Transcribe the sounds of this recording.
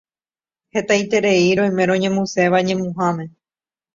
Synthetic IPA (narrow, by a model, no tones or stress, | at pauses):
he̞t̪ajt̪e̞ɾeiɾojmẽɾ̃õɲẽmũseʋaɲẽ̞mũɦãmẽ̞